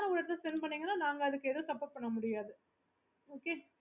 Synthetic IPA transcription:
nɐʊɭɐɾt̪ːɐsɛnpɐɳːiːŋɡɐnːaːnaːŋɡɐɐðɯkːɯɛðoːt̪ɐpːɐpːɐɳːɐmʊɽɪjaːðɯ | oːkeː

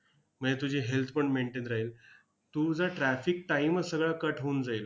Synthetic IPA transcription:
m̤əɭet̪ud͡ʑiɦelt̪ʰpəɳmeɳʈenɾaɦel | t̪ud͡zaʈɾæfik̚ʈaiməsəɡɭakəʈʰɦound͡zail

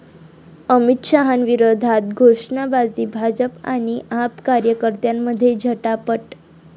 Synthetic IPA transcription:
əmit̪ɕaɦanʋiɾod̪ʱat̪̚ɡʱoʂɳabad͡ziːbʱad͡ʑəpa̰ɽ̃iapkaɾjəkəɾt̪jamːəd̪ʱːjed͡ʑʱəʈapəʈ

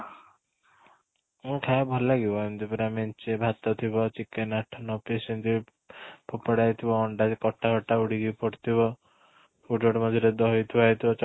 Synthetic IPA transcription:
ũkʰaebʱɔlaɡibɔemd̪ipɔɾament͡ʃebʱat̪ɔt̪ʰibɔt͡ʃikːenaʈʰɔnɔpesint̪i | pʰɔpɔɽajt̪ʰibɔːɳɖad͡ʒikɔʈːakɔʈːauɽiɡipɔʈt̪ʰiβɔ | pʰuʈɔʈmɔd̪ʱiɾed̪ɔɦijt̪ʰibajt̪ʰibɔt͡ʃ

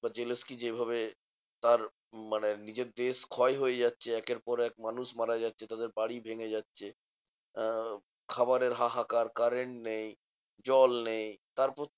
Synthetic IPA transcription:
bad͡ʑeleskid͡ʑebʱaβe | t̪aɾ | manenid͡ʑeɾd̪eʃkʰɔeɦojed͡ʑatːɕʰeɛkeɾpɔɾɛk̚manuʃmaɾaed͡ʑatːɕʰet̪ad̪eɾbaɽibʱeŋed͡ʑatːɕʰe | kʰabaɾeɾɦaɦakaɾkaɾeɳʈnej | d͡ʑɔlnejt̪aɾpo

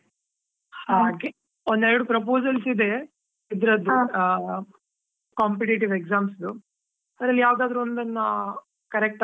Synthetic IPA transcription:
haːɡe | ond̪ɛɾɐɽupɾɐpoːzɐlsid̪e̞ | id̪ɐɾɐd̪u | kaːmpeʈiʈiʋekzaːmsd̪u | ɐd̪ɾɐlːijaːʋud̪aːd̪ɐɾuond̪ɐnːɐ | kɐɾek̚ʈ

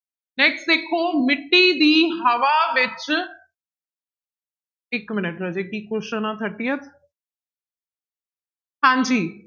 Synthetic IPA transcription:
nɛːksʈd̪eːkʰoːmɪʈːid̪iːɦɐʋaʋɪt͡ɕ | ɪkmɪnɪʈɾɐd͡ʑeːkiːkoʃənãt̪ʰɐʈiət̪ʰ | hãːɲd͡ʑiː

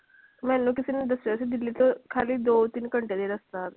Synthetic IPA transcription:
mɛ̃ːnũːkɪsened̪əsjəsed̪ɪlːit̪okʰaːliːd̪oːt̪ɪnkəɳʈed̪eɾəst̪ad̪

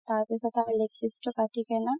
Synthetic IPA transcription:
taɹpisɔtaɹlek̚pistʊkatikɛna

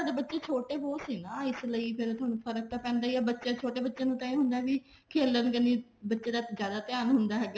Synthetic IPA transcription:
aːɖeːbətːʃeːt͡ʃʰoːʈeːboːsiːnãːɪsləiːpʰɪɾt̪ʰʊaːnũːpʰəɾək̚t̪aːpɛ̃ːnd̪aːijaːbətːʃeːt͡ʃʰoːʈeːbətːʃeːnũːt̪ãĩːɦʊ̃nd̪aːbiː | kʰeːlənũːkəniːbətːʃeːd̪aːzjaːd̪aːt̪ɪaːnɦʊnd̪aːɦɛːɡa

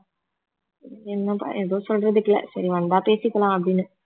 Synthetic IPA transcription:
enːɐpɐ̰ʔeðoːsolrɐðikːilːɐ̰ɕɐɾiʋɐnd̪aːpeːsikːɐɭaːmɐpɽinːɨ

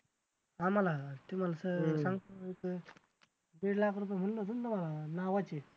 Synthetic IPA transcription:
am̤alat̪eməlasəeksaŋɡt̪oek | beɽlakɾupəm̤əɳlət̪unt̪əmalanaʋat͡ɕe

